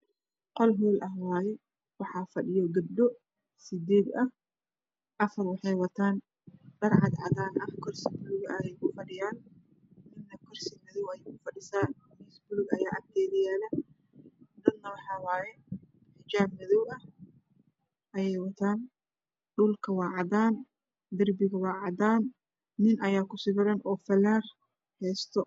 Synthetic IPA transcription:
qɔlɦuːlʔɐɦwaːjɛ | wɑħɑːfɐɗɪjɔɡɐb̚d̪ɔ | sɪd̪ɛːd̪ɐh | ʔɐfɐrwɑħɑjwɐt̪ʰaːn | ɖɐrʕɑd̪ʕɑd̪aːnʔɐkʰɔrsɪbʊlʊɡɐjɛjkʰʊfɐɗɪjaːn | nɪnːɐkʰɔrsɪmɪðɔwɐjɛkʊfɐɗɪsaːn | niːsbʊlʊɡɐjaːʔɐ̰k̚t̪ʰɛːðɪjaːlɐ | d̪ɐd̪nɐwɑħɑːwaːjɛ | ħɪt͡ʃaːb̚mɪðɔwɐh | ʔɐjɛjwɐt̪ʰaːn | ɖʊlkʰɐwɑːʕɑd̪aːn | d̪ɐrbɪɣɐwɑːʕɑd̪aːnː | ɪnɐjaːkʰʊsɪbɪɾɐnɔːfɐlaːr | hɛːst̪ʰɔ

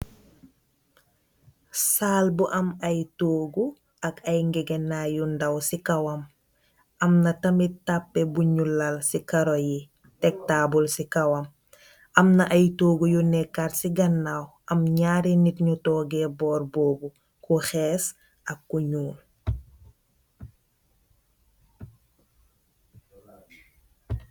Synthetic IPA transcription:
saːlbuʔɐmajtoːɡu | ɐkɐjŋɡɛɡenajundawsikawɐm | ɐmnɐtɐmitapːebuɲulalsikaɾoji | tɛk̚taːbulsikawɐm | ɐmnaʔajtoːɡujunɛkatsiɡɐnːaːw | ɐmɲaːɾinitɲutoːɡebɔːɾboːbu | kuxeːs | ɐkːuɲuːn

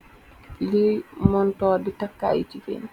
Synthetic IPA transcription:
kilejmɔntɔːdɛtakːa̰jtifḛn

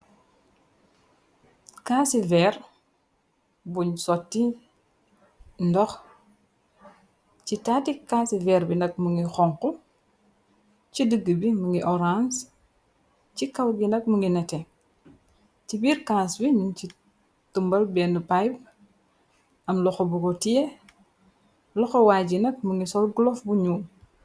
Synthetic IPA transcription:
kaːsivɛr | buɲsɔtːi | ndɔx | citatikasivɛɾbinɐk̚muŋɡixɔŋkɔ | cidəɡːəbimuŋɡiʔɔɾans | t͡ʃikɐwɡinɐk̚muŋɡinɛtɛ | cibiːɾkasbiɲunci | tumbɐlbɛnəpajb̚ | ʔɐmlɔxɔbuɡɔtiɛ | lɔxɔwaːɟinɐk̚muŋɡisɔlɡlɔfbuɲuːm

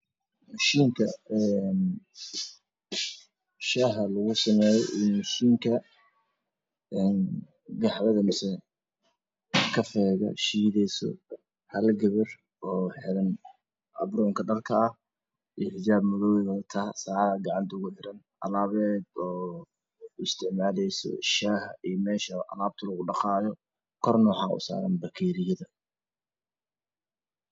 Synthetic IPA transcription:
mʊʃiːŋkʰɐɛn | ʃaɦɐlɐɣʊsɐmɛːjɛʔɪnmʊʃiːŋkʰɐ | ɛn | ɡɑħðɐðɐmɪsɛ | kʰɐfɛːɣɐ̰ʃiːðɛsɔ̰ | hɐlɡɐβɐr | ɔːħɪɾɐn | ɐbɾɔːŋkʰɐɖɐrkʰɐɐh | ijħɪd͡ʒaːbmɐðɔːwɛɣɐðɐt̪ʰaːsaːʕðɐɡɑʕɑnt̪ʰɐʊɣʊħɪɾɐn | ʔɐlaːβɛːd̪ɔː | ɪst̪ʰɪʕmaːlɛjsɔ̰ʃaːhɐʔijmɛːʃɐʔɐ̰laːb̚t̪ʰɐlɐɣʊɖɑχɑːjɔ | kʰɔrnɔːħaːʊ̰sa̰ːɾɐnbɐkʰɛːɾɪjɐðɐ

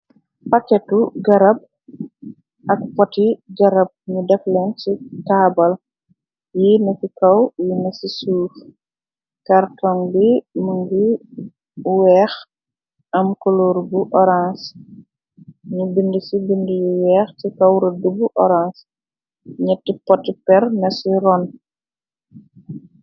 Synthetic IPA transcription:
pɐkɛtuɡɐɾɐb̚ | ɐk̚pɔtiɡɐɾɐb̚ɲudɛflɛnt͡ʃitaːbɐl | jinɐsikɐwjinɐsisuːf | kɐɾtɔŋbimuŋɡi | wɛːx | ɐmkɔloːɾbuʔɔɾans | ɲubindisibindijuwɛːxtikɐwɾɐdubuʔɔɾans | ɲɛtːipɔtːipɛrnɐsiɾɔn

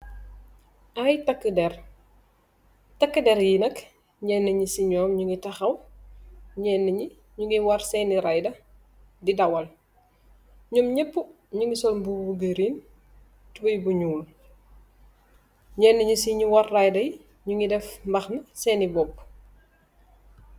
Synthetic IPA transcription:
ɐjtɐkːədɛr | tɐkːədɛɾjinɐk | ɲɛːnːɐɲisiɲɔːmɲuŋɡitɐxɐw | ɲɛːnːɐɲi | ɲuŋɡiwɐrsɛːniɾajdɐ | didɐwɐl | ɲumɲɛpːu | ɲuŋisɔlmbuɡuɡəɾiːn | tubɐjbuɲuːl | ɲɛnːɐɲisiɲuwɐrrɐjdɐj | ɲuŋidɛfmbɐxnɐsɛːnibɔp̚ː

